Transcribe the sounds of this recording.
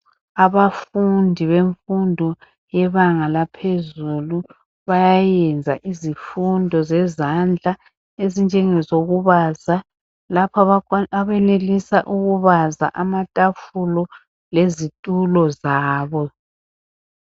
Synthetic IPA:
aβafundʱiβeɱfundʱɔ | jɛβaŋalapʰezulu | βajajɛnd͡zʱa̰ʔizifundʱɔzɛzand͡ɮʱa | ezind͡ʒʱɛŋɛzoɣuβaza | lapʰaβɛnelisaʔuɣuβaza̰ʔamatʼafulɔ | lezitʼulɔzaːβɔ

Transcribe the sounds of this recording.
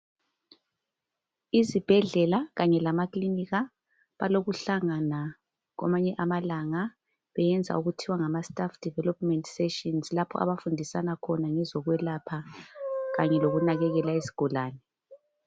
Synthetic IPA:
izib̥ʱɛɮɛlaɣaɲɛlamakliniɣa | βaloɣuɬaŋana | ɣa̰maɲɛʔamalaŋa | βɛjɛnd͡zʱa̰uɣutʰiwaŋamastʼafd̥ʱivɛlɔpmɛntsɛʃɔnslapʰɔ̰ʔa̰βafundʱisanakʰɔnaŋɛzɔɣwɛlapʰa | ɣaɲɛloɣunaɣɛɣɛlaesi̥ɡ̥ʱɔlaːnɛ

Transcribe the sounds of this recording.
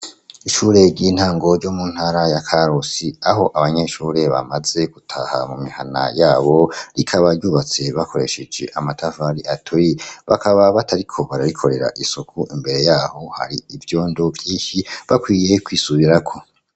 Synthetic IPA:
iʃuːɾe̞ɾɟiːn̥haːŋɡo̞ɾɟomun̥haːɾajakʰaɾosiaɦo̞ʔaβaɲe̞ʃuːɾe̞βa̰maze̞ɡ̥utʰa̰ha̰mumiha̰na̰jaːβo̞ɾikʰaβaɾɟuːβat͡se̞βako̞ɾe̞ʃed͡ʒe̞̰ʔamatʰavaɾiʔatʰoiβakʰaβaβatʰaɾikʰo̞βaɾaɾikʰo̞ɾe̞ɾa̰ʔisokʰuʔimbe̞ɾe̞jaːho̞ha̰ɾiivjo̞ːndovjiːʃiβakwiːje̞kwiːsuβiɾakʰo̞

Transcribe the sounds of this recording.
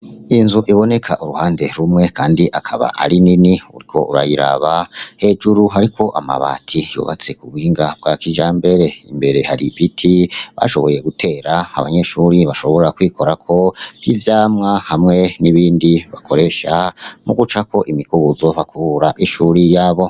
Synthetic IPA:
inzuʔiβo̞ne̞kʰaʔuɾuhaːnde̞ɾumŋe̞kaːndiʔakʰaβa̰ʔaɾininiṵɾikʰo̞̰ʔuɾa̰jiɾa̰βahe̞d͡ʒuɾuɦaɾikʰo̞ʔama̰βa̰ːtʰijṵβa̰t͡se̞kuβiːŋɡab̚ɡakiʒaːmbe̞ɾe̞ḭmbe̞ɾe̞haɾiβitʰiβa̰ʃo̞βo̞je̞ɡutʰe̞ːɾaaβa̰ɲe̞ʃuːɾiβaʃo̞βo̞ɾɾakwiːko̞ɾakʰo̞ivjaːmŋahamŋe̞niβiːndiβakʰo̞ɾe̞ʃamuɡut͡ʃako̞ʔimikuβuzo̞βakʰuβuɾaʔiʃuɾijaːβo̞

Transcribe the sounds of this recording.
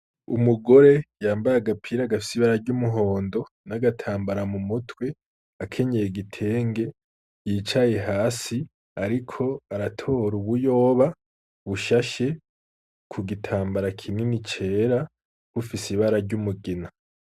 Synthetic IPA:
ṵmuɡo̞ɾe̞jaːmbajaɡapʰiɾaːɡafi̥siβaɾaɾɟumuɦo̞ːndo̞ | naɡatʰaːmbaɾamumutwe̞ | akʰe̞ɲe̞jeɡitʰe̞ːŋɡe̞ | jiːt͡ʃaje̞ɦaːsi | aɾikʰo̞aɾatʰo̞ːɾuβujo̞ːβa | βuʃaʃe̞ | kʰuɡitʰaːmbaɾakʰininit͡ʃe̞ːɾa | kufisiβaɾaɾɟumuɡina

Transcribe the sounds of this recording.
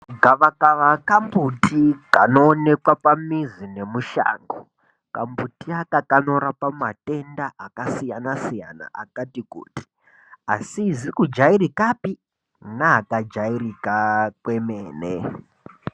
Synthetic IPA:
ɡʱaʋakaʋakambutikanoːne̞kwapamizine̞muʃa̰ːŋɡo | ka̰mbutiakakano̞ɾapamate̞ndaakasijanasija̰na̰ʔa̰katikṵːti̥ | asizikud͡ʒairikapi | naːkad͡ʒairikakwe̞meːnḛ

